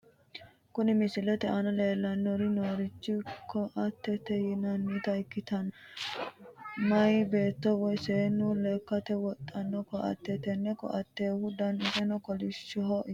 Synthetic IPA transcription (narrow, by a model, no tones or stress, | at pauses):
kʊnɪmɪsɪlɛt̪ɛʔɐnɐleːlːɐnːɔɾɪnoːɾɪt͡ʃːɪkʰɔʔɐt̪ːɛt̪ɛjɪnɐnːit̪ɐjkːɪt̪ɐn | mɐjbe̞ːt̪ːɔwɔjseːnːulekːɐt̪ɛwɔt̪ʼːɐnːɔkɔʔɐ̰t̪ːɛt̪ɛnːɛkɔ̰ʔɐt̪ːeːhʊd̪ɐnɪsɛnɔkɔlɪʃɔɦɔʔ